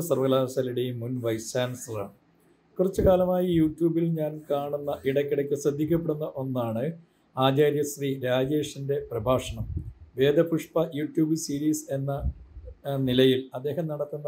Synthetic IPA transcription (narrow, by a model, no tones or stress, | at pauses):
sɐrʋɐɣɐlaːsaːliɽejimːunʋɐjsaːnsɐla̰ːɳɨ | kurɐt͡ɕːɨkaːlɐmaːjɐjuːʈjuːbilɲaːnkaːɳunːɐʔiɽɐkʲːiɽɐkʲːɨsrɐd̪ʱːik̬ʲːɐp̬ːeɽunːɐʔo̞nːaːɳɨ | aːd͡ʑaːɾjɐsriːɾaːd͡ʑeːʂɐnde̞prɐbʱaːʂɐɳɐmʋe̞ːd̪ʱɐpuʂpɐjuːʈjuːbɨsiːɾiːse̞nːɐ | nilɐjilɐd̪ːe̞ːhɐmnɐɽɐt̪ːunːɐ